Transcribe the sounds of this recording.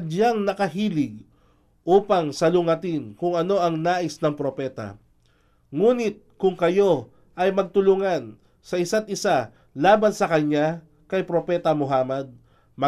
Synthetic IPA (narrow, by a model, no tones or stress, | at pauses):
ɐd̪jaŋnɐkɐɦiːlɪɡ̚ | ʔuːpɐŋsɐlʊŋɐt̪ɪnkʊŋɐno̞ʔɐŋnaːʔɪsnɐŋpɾo̞pɛːt̪ɐ̰ | ŋuːnɪt̪̚kʊŋkɐjo̞ | ʔɐjmɐɡ̚t̪ʊlʊŋan | sɐʔɪsat̪̚ʔɪsa | laːbɐnsɐkɐɲːa | kɐjpɾopɛt̪ɐmʊɦaːmɐd̪̚ | mɐ